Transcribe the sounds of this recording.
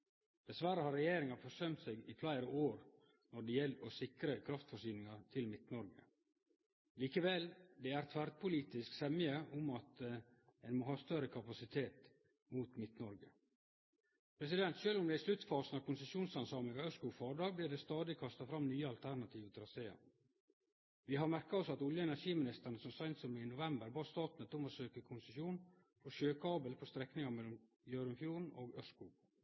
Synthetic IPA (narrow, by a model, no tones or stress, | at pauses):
d̪̥ɛsʋæɾəhɑɾɛjeːɾɪŋɑfɔsœmt̪seːɡɪflæɪɾəʔoːɾ | nɔɖɛjɛlosɪkɾəkʰɾɑft̪fɔʂyːnɪŋɑt̪ʰɪlmɪt̪nɔɾɡə | liːkəʋɛld̪ɛæɾt̪ʰʋæɾd̪̚pʰʊliːt̪ɪsksɛmɪəʔʊmɑt̪ɛɪnmoːɦɑːst̪œɾəkʰɑpɑsɪt̪ʰeːt̪ | muːt̪mɪt̪nɔɾɡə | pʰɾɛs̬ɪd̪ɛnt̪ʃøːlɔmd̪ɛɪslʉt̪ːfɑːsənɑʋkʰʊnsəsjuːnsɑnsɑːməɡɑœskʊfɑːɖɑːɡbliːɖɛst̪ɑːd̪ɪkʰɑst̪ɑfɾɑmnyːəɑlt̪ʰæɾɳɑt̪ʰiːʋət̪ʰɾɑseːə̰ɾ | ʋɪɦɑɾmæɾkɑɔsɑt̪ʊljəɛnæʂiːmɪnɪst̪əɳəsɔmsɑɪnt̪sɔmɪnʊʋɛmbəɾbɑːɾst̪ɑːt̪nət̪ʊməsøːkəkʰʊnsəsjuːn | fʰɔʃøːkʰɑːbəlpʰɔst̪ɾɛknɪŋɑmɛlːɔm | jøːɾəmfjuːɾɳ̩oːɡœskʊ